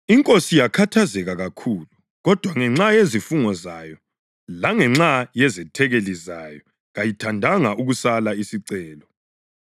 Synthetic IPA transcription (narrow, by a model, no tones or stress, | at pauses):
iŋkʼosijakʰatʰazɛɣaɣakʰuːlu | ɣɔd̥ʱwaŋɛŋ͡ǁajezifuŋɔzajɔ | laŋɛŋ͡ǁajɛzɛtʰɛɣelizajɔ | ɣajitʰandʱaŋauɣusalaisiǀɛːlɔ